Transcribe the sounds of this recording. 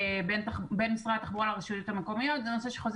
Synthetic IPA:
bentbe̞nmisʁat̪aχbuʁalaʁiʃujot̪ameko̞mijo̞t̪zeno̞se̞ʃeχoz

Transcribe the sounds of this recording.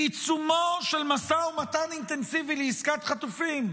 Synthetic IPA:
it͡sumoʃelmasaumat̪anint̪ensivileiskat̪χat̪ufim

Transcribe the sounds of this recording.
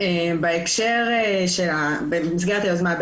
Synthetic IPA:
embeekʃeʁeʃela | bemis̬ɡeʁt̪ilozmanb

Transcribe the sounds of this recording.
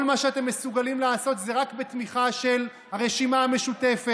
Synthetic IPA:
lmaʃeat̪e̞mːesuɡalimlaaːso̞t̪zeʁakbet̪miχaʃe̞l | haʁe̞ʃimaame̞ʃut̪e̞fe

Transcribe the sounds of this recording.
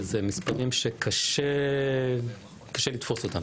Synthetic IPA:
zemispaʁimʃekʰaʃe | kḁʃelit̪fosot̪am

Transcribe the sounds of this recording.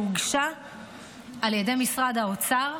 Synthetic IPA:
uɡʃa | aljede̞jmisʁadao̞t͡saʁ

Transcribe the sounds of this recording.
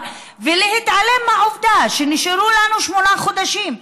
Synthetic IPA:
velehit̪ʕale̞mhaovd̪aʃeniʃeɾulanuʃmo̞naχo̞d̪aʃim

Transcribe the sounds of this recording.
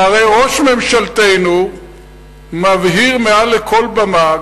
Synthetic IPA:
aʁejʁoʃme̞mʃalt̪ejnu | mavɦiʁmealːekʰo̞lbama

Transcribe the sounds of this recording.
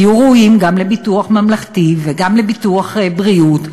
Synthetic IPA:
juʁouimɡamlebituaχmamlaχtiveɡamlebituaχbʁiut

